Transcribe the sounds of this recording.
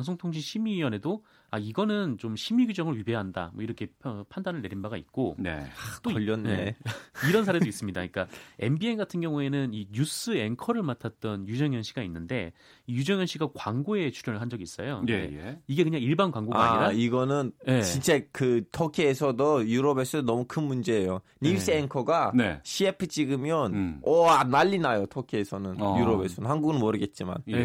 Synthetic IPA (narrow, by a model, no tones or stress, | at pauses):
aŋs̬ʰoŋtʰoŋɕʰiɕʰimijʌne̞do | aiɡʌnɯnt͡ɕomɕʰimiɡid͡ʑʌŋɯɭɥibe̞ɦanda̰mwʌiɾʌkʰe̞pʰandanɯɭːe̞ɾinbaɡait̚k͈oḛt͈oʎːʌnːneiɾʌns̬ʰaɾe̞dois͈ɯmɲidaɲik͈ae̞̰mbienɡatʰɯnɡjʌŋue̞nɯniɲus͈ɯe̞nkʰʌɾɯɭmatʰat̚t͈ʌnjud͡ʑʌŋjʌnɕʰiɡainːɯnde̞̰ | ijud͡ʑʌŋjʌnɕ͈ʰiɡakwaŋɡoe̞t͡ɕʰuɾjʌnɯɭɦand͡ʑʌɡiːs͈ʌ̰joḛiɡe̞kɯɲaŋiɭbankwaŋɡoa̰a̰ɲiɾaiɡʌnɯnt͡ɕint͡ɕ͈ekɯtʰokʰiesʰʌdojuɾʌbes͈ʰodonʌmukʰɯnmund͡ʑe̞ːjo | nis͈ɯeŋkʰʌɡaneɕʰiepʰɯt͡ɕ͈iɡɯmjʌnʌnaʎːinajotʰokʰiesʰʌnɯnjuɾʌbesʰʌnɯnhanɡuɡɯnmʌɾɯɡe̞t̚t͡ɕ͈ima̰n